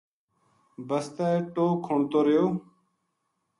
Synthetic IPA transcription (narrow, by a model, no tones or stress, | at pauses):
bəst̪aːʈoːkʰːoɳt̪oːɾəjoː